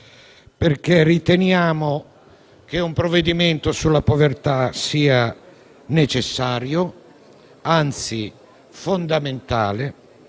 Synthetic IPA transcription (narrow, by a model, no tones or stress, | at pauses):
perk̟erːit̪enjaːmo | k̟eumpɾoved̪iment̪osulːapovert̪asiːa | net͡ʃesːaːɾjo | ant̪si | fond̪ament̪a̰ːle